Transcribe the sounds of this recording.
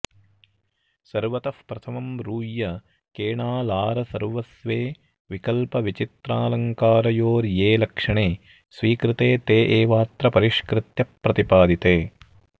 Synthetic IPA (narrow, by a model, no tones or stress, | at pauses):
sɐɾʋɐt̪ɐfpɾɐt̪ʰɐmɐmɾuːjːɐ | keːɳaːlaːɾɐsɐɾʋɐsʋeː | ʋikɐlpɐʋit͡ʃit̪ɾaːlɐŋkaːɾɐjoːɾjeːlɐkʂɐɳeː | sʋiːkɾɪt̪eːt̪eːʔeːʋaːt̪ɾɐpɐɾiʂkɾɪt̪jɐpːɾɐt̪ipaːd̪it̪eː